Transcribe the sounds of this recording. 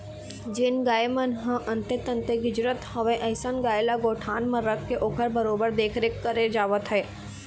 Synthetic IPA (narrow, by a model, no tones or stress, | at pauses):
d͡ʒɪnɡaːjmənɦə̃ʔɐ̃nt̪et̪ə̃nt̪eɡʊd͡ʒɾət̪hɐʋẽʔɐɦsənɡaːjlaɡoːʈʰaːnmɐɾəkːeʔoːkʰəɾbəɾoːbəɾd̪eːkʰɾekːəɾed͡ʒaːʋət̪ɦɛː